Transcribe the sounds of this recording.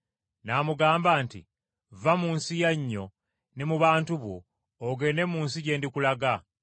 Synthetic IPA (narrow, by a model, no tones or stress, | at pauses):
naːmuɡaːmbaːntḭ | vamuːnsijaɲːo̞ | nemuβaːntuβo̰ː | ɡe̞ne̞muːnsiɟe̞ːndikulaɡa